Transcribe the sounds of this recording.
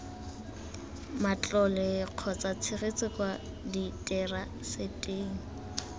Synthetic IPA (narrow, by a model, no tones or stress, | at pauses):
mat͡ɬʼɔlɛq͡χʰɔt͡sat͡sʰɪɣet͡sʼɪkwa | ditʼɛra | setʼeːŋ̩